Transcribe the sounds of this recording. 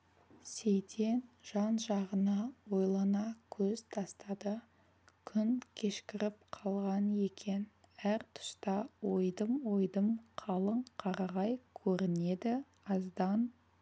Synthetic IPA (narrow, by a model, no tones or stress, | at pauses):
sejt̪ʰe̞nʒ̥ɑnʒɑʁənɑwo̞jlˠɑnɑkʲʰɵzt̪ʰɑst̪ɑd̪ə | kʲʰʏnkʲʰe̞ʃkʲɪɾɪp̚qʰɑlˠʁɑne̞kʲʰe̞n | æɾt̪ʰʊ̥st̪ɑwojd̪əmwo̞jd̪əmqʰɑlˠəɴqʰɑɾɑʁɑjkʲʰɵɾɪne̞d̪ɪ | ɑzd̪ɑn